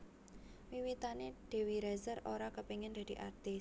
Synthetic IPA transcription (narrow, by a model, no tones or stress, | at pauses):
wiwit̪aneɖ̪̥e̤wiɾɛzəroɾakəpiŋɪnd̪̥a̤d̪̥i̤ʔa̰rt̪ɪs